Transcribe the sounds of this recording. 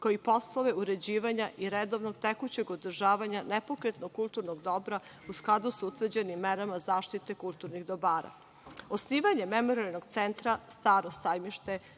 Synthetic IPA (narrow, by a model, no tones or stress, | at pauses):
koipo̞sloʋeuɾe̞d͡ʑiːʋaɲaʔiɾed̪o̞ʋnoɡt̪ekut͡ɕeɡod̪r̩ʒaːʋaɲanepo̞kɾet̪noɡkulˠt̪uɾnoɡd̪o̞bɾa | usklˠad̪usut̪ʋərd͡ʑe̞nimːeɾamazaːʃt̪it̪e̞kulˠt̪uɾniɣd̪o̞baːɾa̰ | osniːʋaɲe̞memoɾialnoɡt̪sent̪ɾast̪aːɾo̞sajmiʃt̪e̞